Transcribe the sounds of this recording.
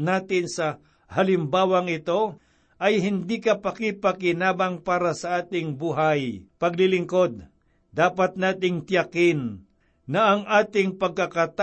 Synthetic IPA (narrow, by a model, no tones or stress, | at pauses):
naːt̪ɪnsɐ | hɐlɪmbaːwɐŋɪt̪o̞ | ʔɐjɦɪnd̪ikɐpɐkɪpɐkɪnaːbɐŋpaːɾɐsɐʔaːt̪ɪŋbuːɦajpɐɡlɪlɪŋko̞d̪̚ | d̪aːpat̪̚naːt̪ɪŋt̪jakɪn | nɐʔɐŋʔaːt̪ɪŋpɐɡ̚kɐkɐt̪